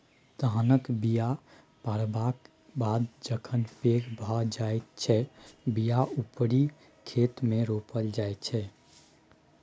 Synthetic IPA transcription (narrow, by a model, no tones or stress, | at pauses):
t̪əɦənəkbija | paɾbak | bad̪d͡ʒəkʰənpekbʱəd͡ʒajt̪t͡ʃʰɛbijaupɾi | kʰet̪mẽɾopəld͡ʒajt̪t͡ʃʰɛ